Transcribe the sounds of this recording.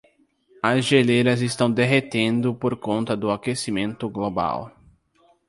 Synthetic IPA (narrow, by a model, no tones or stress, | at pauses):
ɐzʒeleɾɐzɪst̪ɐ̃w̃d̪eɦet̪ẽnd̪ʊpoɾkõnt̪ɐd̪ʊakesimẽnt̪ʊɡloba̰w